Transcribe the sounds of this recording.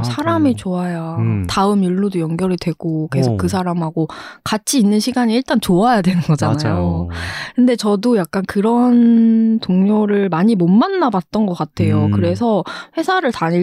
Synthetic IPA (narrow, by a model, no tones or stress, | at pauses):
sʰaɾamit͡ɕoajataɯmiɭːudojʌŋɡjʌɾidwe̞ɡ̥oke̞sʰokk͈ːɯs̬ʰaɾamɦaɡokat͡ɕʰiːnːɯnɕʰiɡaɲiːɭt͈ant͡ɕoajadwe̞nɯnɡʌd͡ʑanajjokɯnde̞t͡ɕʌdojak̚k͈ankɯɾʌntoŋɲoɾɯɭmaɲimomːanːabat̚t͈ʌnɡʌk͈atʰe̞jokɯɾe̞sʰʌɸwe̞sʰaɾɯɭtaɲi